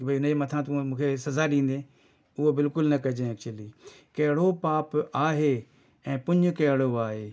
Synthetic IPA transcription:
bʱiʊneːmɐt̪ʰãt̪ːmũːkʰesɐzaːɗĩːn̆d̪ẽː | ʊɦobɪlkʊlnɐkɐd͡ʒẽɛk̚t͡ʃʊəliːkɐɦɽopaːpaːɦeː | ɛ̃ːpʊɲʊkɐɦɽoaːɦeː

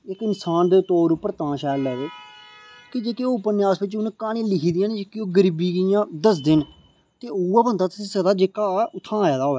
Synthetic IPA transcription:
ɪkɪnsaːnd̪eːt̪oːɾupəɾt̪ãːʃɛːlɛːʋeː | kɪd͡ʒeːkeːoːʊpənjaːsbɪt͡ʃʊnkaːɽ̃ĩːlɪkʰiːd̪ijãːned͡ʒeːkeoːɡəɾibiːɡjãːd̪əs̬d̪ɪn | t̪eːuːaːbənd̪aːt̪sĩːsəd̪aːd͡ʒeːkaːʊt̪ʰːãːaːjaːd̪aːɦoːɛː

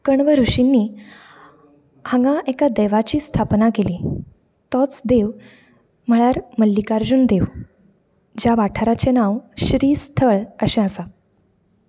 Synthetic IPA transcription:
kəɳʋəɾuɕinːiː | hãŋɡaʔɛkad̪eʋat͡ɕiːst̪ʰapnakeliː | t̪ɔt͡sd̪eʋ | m̤əɭaɾməlːikaɾd͡ʑuːnd̪eʋ | d͡ʑjaʋaʈʰəɾat͡ɕenaʋɕɾiːst̪ʰəɭəɕẽəsa

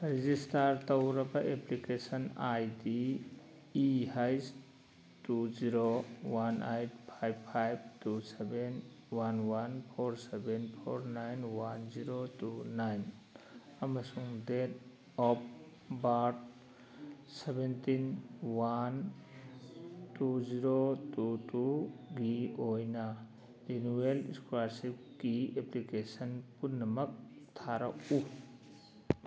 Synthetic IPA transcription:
ɾizistaɾt̪ɔwɾabaʔeplikesanajdiː | ɦajs | tuziɾowanajt̚pʰajbpʰajb̚tuseben | wanwanpʰɔɾsebenpʰo̰ɾnajnwanziɾotunajn | amasuŋdet | ɔp̚ | baʈ̚ | sebent̪inwan | tuziɾotutuɡiojna | enueliskuaɾsip | kieplikesɐnpunɐmɐk̚t̪ʰaɾa̰u

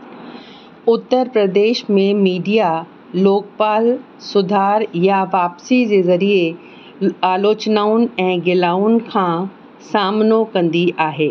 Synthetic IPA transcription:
ʊt̪ːəɾpɾəd̪eːʃmẽmiːɖija | loːk̚paːl | sʊd̪ʱaːɾjaʋaːpsid͡ʑezɐɾie | aːloːt͡ɕnaːʊnɛ̃ːɡɪlaːʊnkʰãː | saːmnokɐ̃nd̪iʔaːɦeː

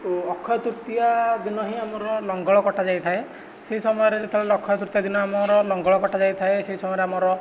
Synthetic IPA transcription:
ɔkʰːɔt̪uɾt̪iad̪inɔɦiamɔɾɔlɔŋɡɔɭɔkɔʈʰad͡ʒajt̪ʰae | seɦisɔmɔjɔɾed͡ʒet̪ʰɔɔkʰːɔt̪uɾt̪ijad̪inɔamɔɾɔlɔŋɡɔɭɔkɔʈad͡ʒajt̪ʰaeseɦisɔmɔjɔɾeamɔɾɔ

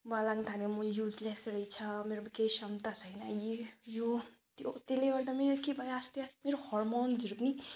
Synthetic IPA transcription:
malaɡnt̪ʰanimujud͡zlesɾʌjt͡sʰʌmeɾobkejsʌmt̪at͡sʰʌjnajijot̪jot̪eleɡʌɾd̪ameɾekebʱajast̪jameɾohɔrmonzɾut̪ni

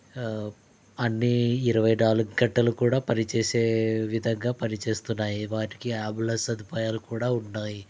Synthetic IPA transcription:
ɐnːiːɾɐʋɐjnaːluɡɡɐɳʈːɐlukuːɽaːpɐnit͡ʃeːseːʋid̪ʱɐŋɡaːpɐnit͡ʃe̞ːst̪unːaːjiʋaːʈi̥kiaːbulɐsɐd̪ʱipaːjaːlukuːɽaːunːaːji

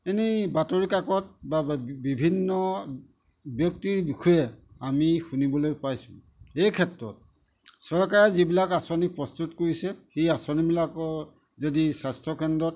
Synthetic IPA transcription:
enibatoɹikakɔt̚babibʱinːɔ | bjɔk̚tiɹbixʰɔjɛamixunibɔlojpajsʊ̰̃ | ejkʰɛtɹɔ̰t̚ | sɔɹkaɹɛzibilakasɔnik̚pɹɔstutkoɹisɛxiasɔnibilakɔ | zodisastʰɔkɛndɹɔt

